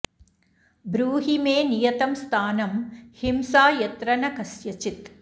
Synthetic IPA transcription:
bɾuːɦimeːnijɐt̪ɐmst̪ʰaːnɐmhimsaːjɐt̪ɾɐnɐkɐsjɐt͡ʃit̪

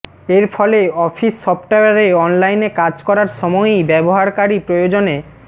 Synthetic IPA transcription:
eɾfʰɔleɔfʰisːɔpʈaaɾeɔnlajnekad͡ʑkɔɾaɾʃɔmɔejbɛboɦaɾkaɾipɾojod͡ʑone

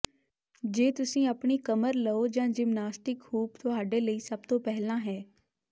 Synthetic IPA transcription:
d͡ʒeːt̪ʊsĩːəpɳiːkəməɾləoːd͡ʒãːd͡ʒɪmnaːsʈɪkɦuːpt̪ʊɦaːɖeːləiːsəb̚t̪õːpɛɦlãːɦɛː

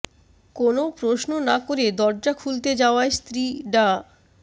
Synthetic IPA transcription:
konopɾosnonakoɾed̪ɔɾd͡ʑakʰult̪ed͡ʑaoaest̪ɾiɖa

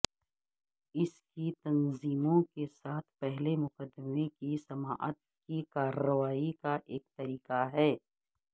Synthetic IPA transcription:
ɪskit̪ɐnziːmõkesaːt̪ʰpɛɦlemʊqəd̪ːəmekisɐma̰ːʔə̰t̪̚ | kikaːɾəʋaːikaʔeːk̚t̪ɐɾiːqaɦɛː

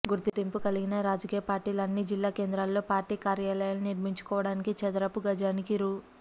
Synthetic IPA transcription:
ɡuɾt̪it̪impukɐliɡinɐɾaːd͡ʒɐkiːjɐpaːɾʈiːlɐɐnːid͡ʒilːaːke̞ːnd̪ɾaːlːo̞ːpaːɾʈiːkaːɾjaːlɐjaːluniɾmiɲt͡ʃu̥kɔːʋɐɽaːnikit͡ʃɛd̪ɐɾɐpuɡɐd͡ʒaːnikiɾuː

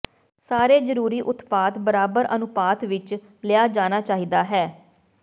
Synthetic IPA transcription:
saːɾeːzəɾuːɾiːʔʊt̪paːt̪bəɾaːbəɾənʊpaːt̪ʋɪt͡ʃ | lɪjaːd͡ʒaːnaːt͡ʃaːɦiːd̪aːɦɛː

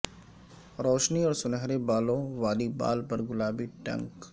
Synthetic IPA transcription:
ɾɔːʃniɔːɾsʊnəɦɾebaːlõʋaːliba̰ːlpɐɾɡʊlaːbiʈɐ̰̃ŋk

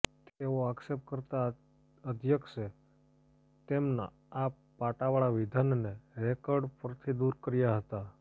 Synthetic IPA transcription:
t̪eoaksep̚ʈ̚kəɾt̪a | əd̪ʱjəkse | t̪emna̰ | a | paʈaʋaɭaʋid̪ʱanneɾekɔɾɖpəɾt̪ʰid̪uɾkəɾjaɦət̪a

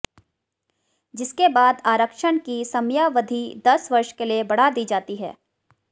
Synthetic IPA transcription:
d͡ʒɪskebaːd̪aːɾəkʃənkisɐmjaʋɐd̪ʱid̪ɐsʋɐɾʃkeliebɐɽ̤ad̪iːd͡ʒaːt̪iɦɛ̰ː

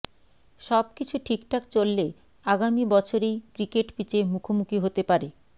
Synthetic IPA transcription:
ʃɔb̚kit͡ɕʰuʈʰikʈʰakt͡ɕolːe | aɡamibɔt͡ɕʰoɾejkɾikeʈpit͡ɕemukʰomukiɦot̪epaɾe

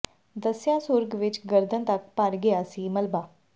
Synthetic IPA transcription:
d̪əsjãsʊɾɡʋɪt͡ʃɡəɾd̪ʱə̃nt̪əkpaɾɡejasiːməlbaː

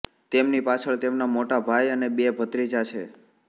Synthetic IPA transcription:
t̪emnipat͡ʃʰəɭt̪emnamoʈabʱajənebebʱət̪ɾid͡ʒat͡ʃʰe

